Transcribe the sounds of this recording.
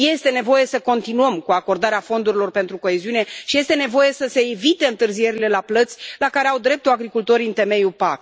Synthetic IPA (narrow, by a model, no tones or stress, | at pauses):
je̞st̪e̞ne̞vo̞je̞səko̞nt̪inuəmkuako̞rd̪aɾeafo̞nd̪uɾilo̞rpe̞nt̪ɾuko̞eziune̞ʃije̞st̪e̞ne̞vo̞je̞səse̞ːvit̪e̞ɨnt̪ɨrzije̞ɾile̞laplət̪sʲlakaɾe̞awd̪ɾe̞p̚t̪uaɡɾikult̪o̞ɾiɨnt̪e̞me̞jupak